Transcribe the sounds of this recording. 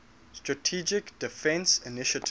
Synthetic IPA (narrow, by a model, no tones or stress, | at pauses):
stɹatʰid͡ʒɪkd̥ifɛ̃nsinɪʃətʰ